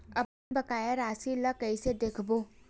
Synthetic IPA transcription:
ɐpnebɐkaːjaɾaːsilakɐised̪eːkʰboː

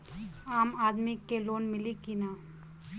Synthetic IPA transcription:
aːmaːd̪mikːeloːnmɪlikinaː

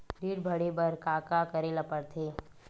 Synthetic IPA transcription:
ɖiːɽbʱɐɽebɐɾkaːkakɐɾelɐpəɾt̪ʰeː

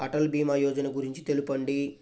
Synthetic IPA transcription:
ɐʈɐlbiːmaːjɔːd͡ʒɐnɐɡuɾiɲt͡ʃi̥t̪e̞lupɐɳɖi

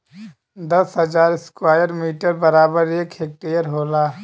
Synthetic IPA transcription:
d̪ɐsɦɐzaːɾɪskwaːjəɾmiːʈəɾbɐɾaːbəɾeːkɦeːk̚ʈeːjəɾɦoːlaː

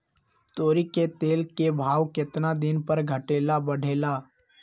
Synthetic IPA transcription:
t̪oːɾiket̪eːlkebʱaːʋkɪt̪nad̪ɪnpəɾɡʱəʈeːlabəɽ̤ʱeːlaː

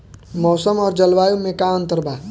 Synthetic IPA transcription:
mɔːsəmɔːɾd͡ʒəlʋaːjũmẽkaə̃nt̪əɾbaː

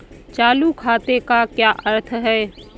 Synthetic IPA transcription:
t͡ʃaːlukʰaːt̪ekakjaːʔəɾt̪ʰɦɛː

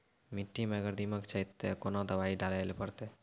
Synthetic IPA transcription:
miʈːimeəɡəɾd̪iməkt͡ʃʰəit̪ːekonod̪əbaiɖaləjlpəɾt̪e

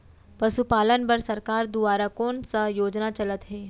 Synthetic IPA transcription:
pɐsupaːlənbɐɾsɐɾkaːɾd̪uʋaːɾakoːnsəjoːd͡ʒnat͡ʃɐlət̪ɦeː

